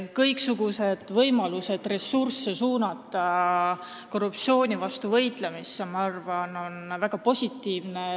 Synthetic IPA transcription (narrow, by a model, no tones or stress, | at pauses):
kɤjksuɡ̥use̞d̪̥vɤjmɑluse̞d̪̥re̞sːursːesuːnɑt̪ːˑɑ | ko̞rup̚t̪sio̞ːnʲivɑst̪uvɤjt̪ˑlemisːemɑɑrvɑno̞nvæɡ̥ɑpo̞sʲit̪ːˑiːvne